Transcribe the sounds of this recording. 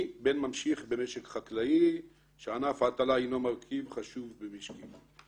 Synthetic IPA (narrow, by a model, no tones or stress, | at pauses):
benmamʃiχbemeʃekχatlai | ʃeanafat̪alainomaʁkʰivχaʃuvbemiʃki